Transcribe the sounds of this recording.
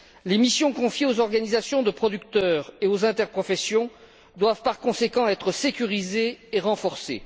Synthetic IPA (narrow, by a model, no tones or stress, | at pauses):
lemisjɔ̃kɔ̃fjeozɔʁɡanizasjɔ̃d̪əpχɔd̪yk̚t̪œːʁeozɛ̃t̪ɛʁpχɔfɛsjɔ̃ | d̪wavpaʁkɔ̃sekɑ̃ɛt̪χəsekʲyʁizeːʁɑ̃fɔʁsḛ